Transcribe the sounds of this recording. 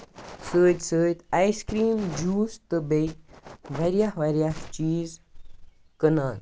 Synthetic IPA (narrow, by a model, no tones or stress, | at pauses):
səːt̪səːt̪ajskɾiːmd͡ʒuːst̪əbejʋaɾjahʋɐɾjaht͡ʃiːz | kənaːl